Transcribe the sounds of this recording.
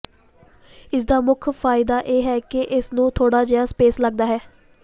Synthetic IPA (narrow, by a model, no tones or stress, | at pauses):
ɪsd̪aːmʊkʰfʰaːɪd̪aːʔeːɦɛːkɪʔɪsnũːt̪ʰoːɽaːd͡ʒɪaːspeːsləɡ̚d̪aːɦɛː